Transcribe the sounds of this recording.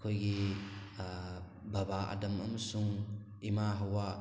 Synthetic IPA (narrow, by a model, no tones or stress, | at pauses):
kʰojɡi | bɐbaʔa̰dɐmɐmɐsuŋ | imaɦɐwa